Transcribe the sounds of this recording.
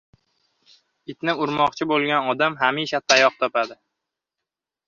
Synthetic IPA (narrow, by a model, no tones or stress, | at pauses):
ɪt̪nɪʊɾmɒqt͡ʃʰɪbolˠɡʲanɒd̪amɦamiʃat̪ʰajɒq̚t̪ʰɒpad̪ɪ